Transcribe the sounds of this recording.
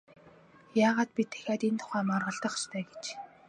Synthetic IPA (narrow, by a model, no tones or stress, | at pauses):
jaːʁaːt̪̚pʲit̪ʰːæ̥xʲaːt̪ent̪ʰʊ̥χæːmɔrʁɞ̆ɬt̪ə̆χst̪ʰœːɡet͡ɕ